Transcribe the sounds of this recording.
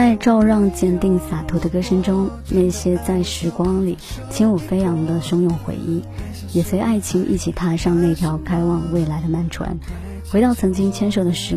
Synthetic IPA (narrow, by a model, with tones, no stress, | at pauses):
a˥˧ɪʈ͡ʂɑ˥˧ʊɻɑ˥˧ŋt͡ɕjɛ˥˧nt̪i˥˩ŋsa˨˩t̪ʰu˧˥d̪ə˧kɤ˥ʂə˥ŋʈ͡ʂʊ˥ŋ | na˥˩ɪɕjɛ˥t͡sa˥˩ɪʂɻ̩˧˥kwɑ˥ŋlḭ˨˩˦t͡ɕʰi˧˥ŋu˨˩fe˥ɪjɑ˧˥ŋd̪ə˧ʂʊ˥ŋjʊ˥˩ŋxwḛ˧˥ɪʔi˥˩ | jɛ˨˩swe˧˥ɪʔa˥˩ɪt͡ɕʰi˧˥ŋʔḭ˥˩t͡ɕʰi˨˩t̪ʰa˥ʂɑ˥˧ŋna˥˩ɪt̪ʰjɑ˧˥ʊkʰa˥ɪwɑ˥˧ŋwe˥˩ɪla˧˥ɪd̪ə˧ma˥˩nʈ͡ʂʰwa̰˧˥n | xwe˧˥ɪɾɑ˥˩ʊt͡sʰɤ˧˥ŋt͡ɕi˥ŋt͡ɕʰjɛ˥nʂo˨˩ʊd̪ə˦ʂɻ̩˧˥